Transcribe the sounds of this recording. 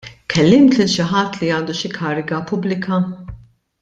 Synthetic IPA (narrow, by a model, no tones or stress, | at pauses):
kʰɛlːɪmt̪lɪlʃɪħɐt̪ːliɐːnd̪uʃɪkʰɐːɾɪɡɐpʊblɪkʰɐ